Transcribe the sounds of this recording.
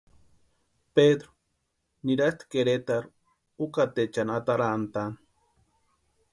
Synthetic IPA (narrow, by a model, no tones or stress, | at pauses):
ped̪ɾo̥ | niɾast̪keɾet̪aɾ | ukat̪et͡ʃanat̪aɾant̪an